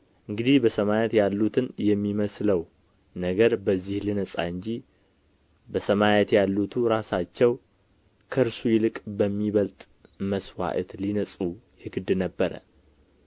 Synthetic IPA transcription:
ʔɨŋɡɨd̪ihbəsəmajet̪jalːut̪ʰɨnjɛmːiməsləw | nəɡəɾbəzːihlinəsʼa̰ɨɲd͡ʒi | bəsəmajɛt̪jalːut̪ʰuɾasat͡ʃːɛw | kʰəɨɾsujɪlɨkʼbəmːiβəlt̪ʼ | məswa̰ʔə̰t̪linəsʼujɪɡɨd̪ɨnəbːəɾə̰

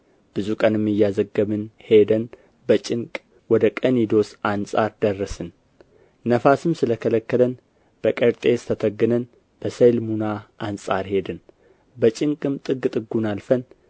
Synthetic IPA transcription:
b̥ɨzukʼənɨmɨjːazəɡːəβɨnhe̞d̪ən | bət͡ʃʼɪŋkʼ | wɔd̪əkʼənid̪o̞sʔansʼaɾd̪ərːəsɨn | nəfasɨmsɨləkʰələkːələn | b̥əkʼəɾt̪ʼe̞st̪ʰət̪ʰəɡːɨnən | b̥əsəjlmunaʔansʼaɾhe̞d̪ɨn | bət͡ʃʼɪŋkʼɨmt̪ʼɨɡt̪ʼɨɡunalfən

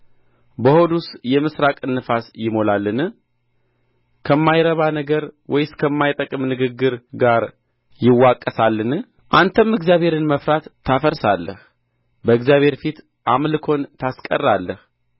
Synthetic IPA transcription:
bəho̞d̪usjɛmɨsɾakʼɨnːɨfasjɪmo̞lalːɨnɨ | kʰəmːajɾəβanəɡəɾwɔjɪskʰəmːajt̪ʼəkʼɨmnɨɡɨɡːɨɾɡaɾ | jɪwːakʼːəsalːɨnɨ | ʔant̪ʰəmːɨɡzjaβʱhe̞ɾɨnməfɾat̪ʰːafəɾsalːə̰h | bəɨɡzjaβhe̞ɾfit̪ | ʔamlɨkʰo̞nt̪ʰaskʼə̰rːalːəh

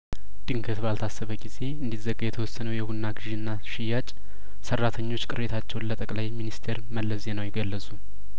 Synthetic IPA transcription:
d̪̥ɨŋkʰət̪balt̪ʰasːəβəɡize̞ɨnd̪izəɡːajɛt̪ʰəwɔsːənəwjɛhunːaɡɨʒinːaʃɪjat͡ʃʼ | sərːat̪ʰəɲːo̞t͡ʃːkʼɨɾet̪ʰat͡ʃːɛwnlət̪ʼəkʼlajminist̪ʰe̞ɾməlːəsze̞nəwjɛɡəlːəsʼu

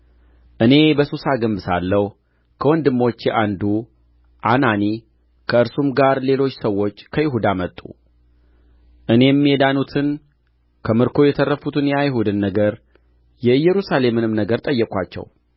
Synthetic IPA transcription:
ʔɨne̞bəsusaɡɨmbɨsalːəw | kʰəwɔnd̪ɨmːo̞t͡ʃːjɛʔand̪u | ʔanani | kʰəɨɾsumɡaɾle̞lo̞t͡ʃːsəwːo̞t͡ʃːkʰəjɪɦud̪amət̪ʼːṵ | ʔɨne̞mːiɛd̪anut̪ʰɨn | kʰəmɨɾkʰo̞jɛt̪ʰərːəfut̪ʰɨnjajɦud̪ɨnːəɡəɾ | jɛɨjːɛɾusale̞mɨnɨmnəɡəɾt̪ʼəjːɛkʼʷat͡ʃːɛ̰w

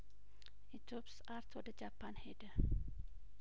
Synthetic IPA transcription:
it̪opsaɾt̪ʰwɔd̪əd͡ʒapʰanhed̪ə

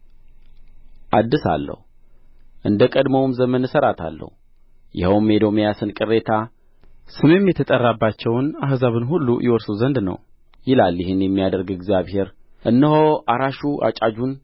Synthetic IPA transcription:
ʔad̪ːɨsa̰lːə̰hu | ʔɨnd̪əkʼəd̪məwmzəmənɨsəɾat̪ʰa̰lːə̰hu | jɪhəwmed̪o̞mijasɨnkʼɨɾːet̪ʰa | sɨmjemːjɛt̪ʰət̪ʼərːabːat͡ʃːɛwnaɦzaβɨnɦulːṵjʔɛwɔɾsuzənd̪nə̰w | jɪlaljɪhɨnjɛmːijad̪əɾɡɪɡzijaβhe̞ɾ | ʔɨnːəhoʔaɾaʃuʔa̰t͡ʃʼad͡ʒun

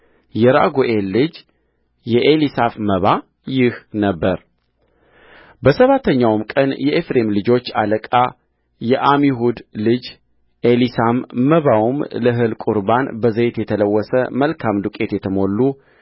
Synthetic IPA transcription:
jɛɾa̰ɡoʔe̞lːɨd͡ʒ | jɛʔelisafməβa | jɪhnəbːəɾ | bəsəβat̪ʰːəɲːawmkʼənjɛʔefɾe̞mlɨd͡ʒo̞t͡ʃːaləkʼa | jɛʔamiɦud̪lɨd͡ʒ | ʔelisamːəβawumləɦɨlkʼuɾbanbəzət̪jɛt̪ʰələwːɔsəməlkʰamd̪ukʼe̞t̪jɛt̪ʰəmo̞lːu

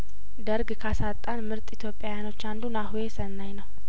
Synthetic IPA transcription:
d̪əɾɡkʰasat̪ʼːanmɨɾt̪ʼit̪ʰjo̞pʼːjajano̞t͡ʃːand̪unahuje̞sənːajnəw

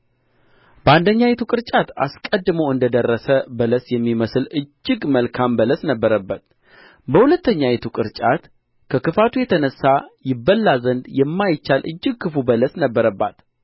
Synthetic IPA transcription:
b̥əand̪əɲːajɛt̪ʰukʼɨɾt͡ʃʼat̪a̰skʼəd̪ːɨməwɨnd̪əd̪ərːəsəbələsjɛmːiməsɨlɨd͡ʒːɪɡməlkʰambələsnəbːəɾəbːət̪ | bəhulət̪ːəɲːajɛt̪ʰukʼɨɾt͡ʃʼat̪ | kʰəkɨfat̪ʰujɛt̪ʰənəsːajɪbːəlːazənd̪jɛmːajɪt͡ʃːalʔɨ̰d͡ʒːɪɡ̚kʰɨfubələsnəbːəɾəbːa̰t̪

